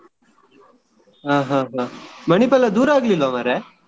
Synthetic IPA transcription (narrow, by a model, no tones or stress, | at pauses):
ɦãːɦãːɦãməɳ̃ipɛlad̪uːɾaːɡlilamaɾe